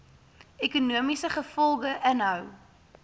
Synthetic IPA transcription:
ekunuəmisəχəfɔlˠɡəʔənɦœw

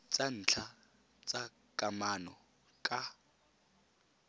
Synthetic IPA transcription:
t͡sʼan̩ːt͡ɬʰa | t͡sʼa | kʼamanɔ | kʼa

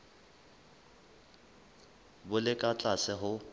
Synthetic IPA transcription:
bʊlɪkʼat͡ɬʼasɪɦʊ

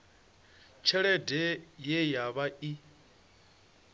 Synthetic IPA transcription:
t͡ʃʰɛɺɛdɛjɛjaβaʔi

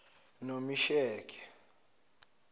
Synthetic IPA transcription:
nomiʃɛːkʰʼɛ̥

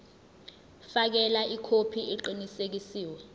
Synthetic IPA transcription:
fak̬ɛlaʔikʰopʰiiǃinisek̬isiːwɛ

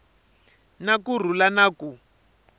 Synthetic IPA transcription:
nakur̤ulanaku

